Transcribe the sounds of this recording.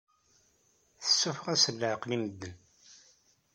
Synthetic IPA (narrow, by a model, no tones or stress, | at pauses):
θə̥sːufəʁæsəlːəʕqliməd̪ːən